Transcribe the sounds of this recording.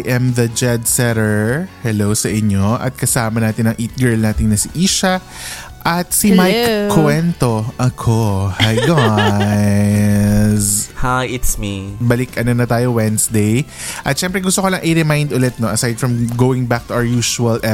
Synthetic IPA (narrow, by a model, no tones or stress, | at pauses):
jʔɛmðɐd͡ʒɛd̪sɛɾɛɹhɛlowsɐʔɪɲːo̞ʔɐ̰t̪̚kɐsaːmɐnaːt̪ɪnɐŋʔiːt̪̚ɡɛɹlnaːt̪ɪŋnɐsiʔiːʃɐ | ʔɐt̪̚simajkkːwɛnt̪o̞ʔɐkʰohajɡa | shajɪt̪smibɐlɪkʔɐnonɐt̪aːjowɛnsd̪ej | ʔɐt̪ʃɛmpɾɛɡʊst̪okolɐŋʔɪɾɛmajnd̪ʊlɛt̪̚noʔɐsajd̪fɹɐmɡowɪ̃ŋbak̚t̪ʊaɹjuːʃuɐlʔɛ